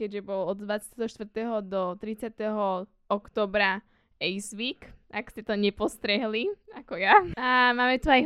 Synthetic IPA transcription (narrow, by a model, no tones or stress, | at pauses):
kɛɟʒɛbɔlɔd̪d̪ʋat͡sat̪ɛɦɔʃt̪ʋr̩t̪ɛɦɔd̪ɔt̪ɾit͡sɪat̪ɛɦɔ | ɔkt̪ɔːbɾa | ɛjsʋiːkakscɛt̪ɔɲɛpɔst̪ɾɛɦliakɔjaamaːmɛt̪uaj